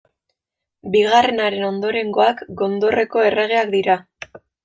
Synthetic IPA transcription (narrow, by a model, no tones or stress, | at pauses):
biɣ̞are̞naɾe̞no̞nd̪o̞ɾe̞ŋɡo̞akɡo̞nd̪o̞re̞ko̞e̞re̞ɣe̞akd̪iɾa